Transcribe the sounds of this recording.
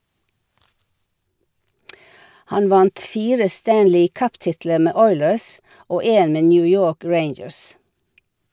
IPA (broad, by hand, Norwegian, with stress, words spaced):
ˈhɑn ˈʋɑnt ˈfiːɾə ˈstænlɪ ˈkœpˌtɪtlə ˈmeː ˈɔʏləs ˈoː ˈeːn ˈmeː ˈnjʉː ˈjoːk ˈɹeɪnd͡ʒəɹs